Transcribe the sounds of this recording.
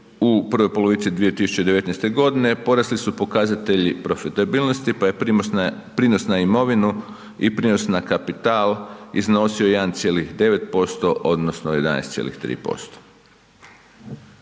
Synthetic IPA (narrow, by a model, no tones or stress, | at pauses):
upr̩ʋojpo̞lo̞ʋit̪sid̪ʋie̞t̪isu̥t͡ɕed̪eʋe̞t̪neɛjst̪e̞ɡo̞d̪ine̞po̞ɾaslisupo̞kazat̪e̞ʎipɾo̞fit̪abiːlno̞st̪ipaje̞ | pɾino̞snaimo̞ʋinu | ipɾinosnakapit̪aːlˠizno̞siojnt̪sje̞ːlixd̪e̞ʋe̞t̪po̞st̪o̞ʔo̞d̪nosnoje̞d̪a̰nḛjst̪sʲjḛlḭxt̪ɾḭːpo̞̰st̪o̥